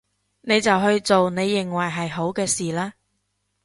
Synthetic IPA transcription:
ne˨˧jt͡sɐ˨wɦɵ˧ɥt͡so˨wne˨˧jːɪ˨ŋwɐ˨jɦɐ˨jɦo˨˥wkɛː˧siː˨laː˥

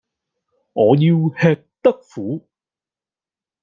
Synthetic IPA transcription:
ŋɔː˨˧jiː˧whɛː˧k̚t̪ɐ˥k̚fuː˨˥

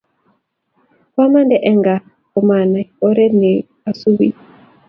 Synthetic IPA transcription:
kwa˦ma˦ndɛ˨ʔɛ˦ŋɡa˨ | kɔ˨ma˨na˨ɔ˦ɾɛ˦ne˨ | a˨su˦wi˦

